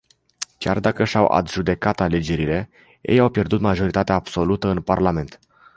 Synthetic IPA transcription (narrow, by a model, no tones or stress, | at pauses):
kʲa̰rd̪akəʃawʔa̰d̪ʒud̪e̞kat̪ale̞d͡ʒe̞ɾile̞ | jejawpje̞rd̪ut̪maʒo̞ɾit̪at̪eaːbso̞lut̪əɨnparlame̞nt̪